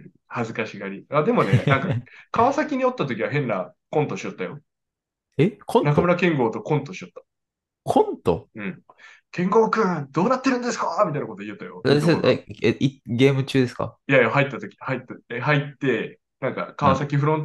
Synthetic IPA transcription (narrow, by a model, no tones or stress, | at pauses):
hazɨkaɕiɡaɾʲiad̪e̞mo̞ne̞nãŋkakaβasakʲiɲ̟io̞t̪ːat̪̬o̞kʲiβaɦẽ̞nːakõ̞nt̪o̞ɕiot̪ːajo̞̰ | ekʰõnakamɯ̟ɾakẽ̞ŋɡo̞ːt̪o̞kõ̞nt̪o̞ɕiot̪ːḁ | kʰõnt̪o̰ɯ̟̃ɴ | kẽ̞ŋɡo̞ːkɯ̃ːd̪o̞ːnat̪ːe̞ɾɯ̟nd̪e̞sɨ̥kamʲit̪ainakot̪ojɯ̟t̪ːajoeiɡʲe̞ːmɯ̟t͡ɕɨːd̪esɨ̥ka̰jajohait̪ːat̪o̞kʲi̥hait̪ːaɦait̪ːe̞ | nãŋka̰kaβasakʲiɸɯ̟ɾõ̞n